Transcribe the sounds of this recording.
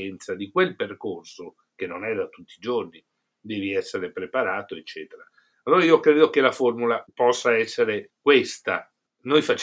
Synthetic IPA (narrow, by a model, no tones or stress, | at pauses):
ɛnt̪sad̪ikwelperkorso | kenːonɛd̪at̪ut̪ːiːd͡ʒorni | d̪ɛːviɛsːeɾepɾepaɾaːt̪oet͡ʃːɛːt̪eɾa | alːoːɾaiokɾeːd̪okelaformulapɔsːaɛsːeɾekwest̪a | nojfat͡ʃː